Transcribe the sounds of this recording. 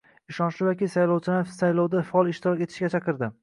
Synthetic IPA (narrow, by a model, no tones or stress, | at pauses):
ɪʃɒnʃlɪjɒkʲisajlˠowt͡ʃʰɪlasajlˠowd̪afaɒlˠɪʃt̪ɪɾɒkʲe̞t̪ʰɪ̥ʃɡʲat͡ʃʰɑqɨɾd̪ɪ